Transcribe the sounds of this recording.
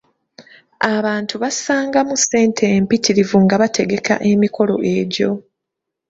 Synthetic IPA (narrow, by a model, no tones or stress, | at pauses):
aβaːntuβasaːŋɡamusːe̞ːntʰe̞ːmpitiɾivuŋɡaβatʰe̞ɡe̞kʰa̰ʔe̞miko̞lo̞ʔe̞ɟo̞